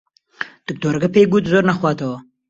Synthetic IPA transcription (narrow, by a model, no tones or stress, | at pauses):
t̪ək̚d̪oɾɡapeɡut̪zoɾnaxwɑːt̪awo